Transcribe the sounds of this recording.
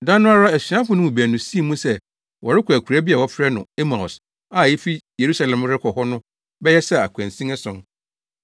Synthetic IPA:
dã˦nːʊ̃˦a˦ɾa˦æ˨ɕi˨ã˦fʊ̃˨˦nʊ̃˦ũ˨bæː˨nʊ̃˨si˦˨mũ˦sɛ˦ | wɔ˨ɾɪ˦kʰʊ˨æ˨kʰu˨ɾæ˦bi˦a˨ɔ˦fɪ˦ɾɛ˦nʊ̃˨e˦mã˨ɔ˨s | a˨e˦fi˦je˨ɾu˦sa˨lɛ̃˨m˦ɾɪ˦kʰɔ˨hɔ˦nʊ̃˦ | bɛ˦jɛ˦sɛ˦˨a̰˨kʷʰæ̃˨nsĩ˦ŋɛ˦sʊ̃˨˦n

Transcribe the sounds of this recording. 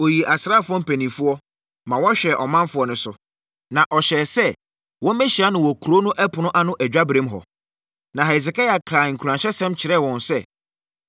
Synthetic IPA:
o˨ji˨ʔa˨sɾaː˦˨fʊ˦ɔ̃˦m̩˦pʰæ˨nĩ˨fu˦ɔ˦ | mã˨wɔ˦ɕᶣɛ˨ʔɔ˨mã˦nfʊ˦ɔ˦nʊ̃˨sʊ˨ | nã˨ʔɔ˨ɕɛː˨sɛ˦˨ | wɔ̃˦mɛ̃˦ɕi˨a˦nʊ̃˨wɔ˨kʰu˨ɾo˦nʊ̃˦ʔɛ˦pʰʊ˨nʊ̃˦ʔa˦nʊ̃˦ʔæ˨d͡ʑᶣa˦bɾẽ˦mɦɔ̰˨ | nã˨ɦɛ˨s̬e˨kʰa˦ja˨kʰaː˨ŋ̩˨kʰu˨ɾã˨nɕɛ˦sɛ̃˦mt͡ɕʰɪ˨ɾɛ˦˨wɔ̃˨nsɛ˦˨

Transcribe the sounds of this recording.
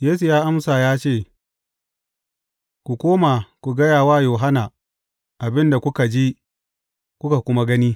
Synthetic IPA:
jeː˦su˨jaː˦ʔa˦msa˨jaː˦t͡ʃeː˦˨ | kʷu˨kʷoː˦ma˨kʷu˨ɡɐ˦jaː˨waː˦joː˨ɦa˦naː˨ | ʔa˨bɪ˦nda˨kʷʊ˦ka˨d͡ʒi˦ | kʷʊ˦ka˨kʷʊ˦ma˦ɡɐ˦niː˦

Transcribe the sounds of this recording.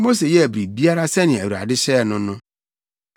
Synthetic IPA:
mo˦se˨je˦e˨bɾi˨bi˦a˦ɾa˦se˦nɪ˨a̰˨ɾu˨a̰˨dɪ˦sɛ˦˨nʊ˦nʊ˦

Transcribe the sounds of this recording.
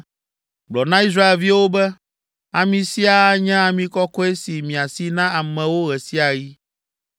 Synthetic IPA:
ɡ͡blɔ˨nã˦i˦s̬ɾa˦e˨lvi˦wo˦bɛ˦ | a˨mĩ˨si˦a˨˦ɲã˦a˨mĩ˨kɔ˦kɔ˦e˦si˨mĩ˨a˨si˦nã˦a˨mɛ̃˨wo˦ɣɛ˨si˦a˨ji˦

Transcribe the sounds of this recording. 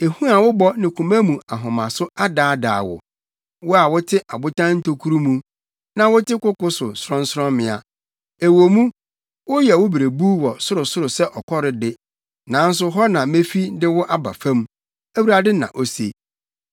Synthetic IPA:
e˨hu˦a˨wʊ˦bɔ˦nɪ̃˨kʰũ˨mã˦mũ˨a˨ɦɔ̃˨mã˨sʊ˦a˦daː˦da̰ː˨wʊ̰˨ | wʊ˦a˨wʊ˦tʰɪ˦ʔa˨bʊ˦tã˦n̩˦to˦kʰu˦ɾu˦mũ˦ | nã˨wʊ˦tʰɪ˦kʊ˦kʊ˦sʊ˨sɾɔ̃˦n̩˦sɾɔ̃˦mmɪ̃˨a̰˨ | e˨wo˨mũ˦ | wʊ˦jɛ˨wʊ˦bi˨ɾe˨bu˦wɔ˨sʊ˦ɾʊ˨sʊ˦ɾʊ˨sɛ˦ʔɔ˨kʰɔ˦ɾɪ˦dɪ˦ | nã˨˦n̩˦s̬ʊ˦ɦɔ˦nã˨mẽ˦fi˦dɪ˦wʊ˦ʔa˦ba̰˨fã˦m˦ | æ˦wu˦ɾa˨dɪ˦nã̰˨ʔo˦sḛ˨

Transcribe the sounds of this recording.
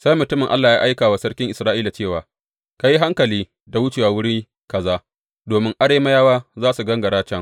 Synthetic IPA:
sa˦jmʊ˨tʊ˦mɪ˨ŋʔa̰˦lːaː˨jaː˦ʔa˦jkaː˨wa˨sɐ˦ɽkʲɪ˦ŋʔɪ˨sɾaː˦ʔiː˦la˨t͡ʃeː˦˨waː˨ | ka˦ji˦ɦa˦ŋkɐ˨liː˦ | da˨wʊ˦t͡ʃeː˨wa˨wʊ˦ɽiː˦ | kɐ˨zaː˦ | doː˨mɪ˦ŋʔa˦ɽeː˦ma˦jaː˦waː˦zaː˦su˨ɡɐ˦ŋɡɐ˨ɽaː˦t͡ʃɐ˦ŋ

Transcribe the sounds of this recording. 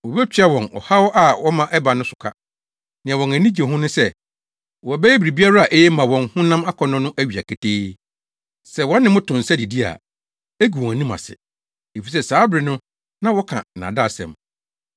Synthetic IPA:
wɔ˨bɛ˦t͡ɕᶣa˦wɔ̃˨nɔ̰˨ha˦wɔ˦ʔa˨wɔ˦mã˦˨ʔɛ˦ba˨nʊ̃˦sʊ̥˨kʰa˦ | nɪ̃˨a˨wɔ̃˨ŋæ˨nĩ˦d͡ʑɦʊ̃˦nʊ̃˦sɛ˦ | wɔ˨bɛ˦jɛ˦bi˨ɾi˨bi˦a˦ɾa˦a˨ʔe˦jɛ˦mã˨wɔ̃˨ŋhʊ̃˦nã˦ma˦kʰɔ˨nɔ̃˦nʊ̃˦ʔæ˦ɥi˨a˨kʰe˨tʰeː˦ | sɛ˨wɔ̃˨˦nɪ̃˦mʊ̃˦tʰʊ̃˨n̩˨sɛ˦di˨di˦a̰˨ | e˦ɡu˨wɔ̃˨æ˨nĩ˦ma̰˨sɪ̰˨ | e˨fi˨s̬ɛ˦saː˨˦bɾɪ˨nʊ̃˦ | nã˦wɔ˦kʰã̰˨nã̰˨da˦˨sɛ̰̃˨m

